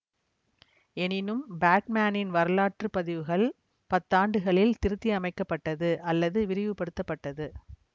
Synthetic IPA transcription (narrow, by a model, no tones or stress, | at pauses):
ɛnɪnɯmbaːʈmaːnɪnʋɐɾɯlaːʈrɯpɐðɪʋɯɣɐɭ | pɐt̪ːaːɳɖɯɣɐɭɪlt̪ɪɾɯt̪ːiɐmɐɪkːɐpːɐʈːɐðɯʔɐlːɐðɯʋɪɾɪʋɯpɐɽɯt̪ːɐpːɐʈːɐðɯ